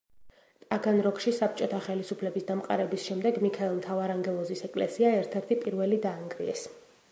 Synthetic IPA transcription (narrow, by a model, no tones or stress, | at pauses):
t̪ʼaɡanɾɔkʼʃisap̚ʰt͡ʃʼɔt̪ʰaχɛlisupʰlɛbisd̪amqʼa̰ɾɛbisʃɛmd̪ɛɡmikʰaɛlˠt̪ʰavaɾaŋɡɛlˠɔzisɛkʼlɛ̰siaɛɾt̪ʰɛɾt̪ʰipʼiɾvɛlid̪aːŋɡɾḭɛ̰s